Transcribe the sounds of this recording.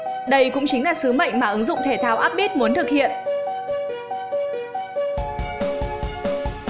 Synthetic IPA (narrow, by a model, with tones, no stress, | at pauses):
ɗə˧jkʊ̰˧˥ŋ͡mt͡ɕï˨˦ŋ̟laː˨˩sɨ˨˦mə̰˧˨jŋ̟maː˨˩ʔɨ˨˦ŋzʊ̰˧˨ŋ͡mt̪ʰe˧˩t̪ʰaː˨˦wʔaː˦˥p̚ɓi˦˥t̚mu˨˦ənt̪ʰɨ˨˩k̚hḭ˧˨ənʔ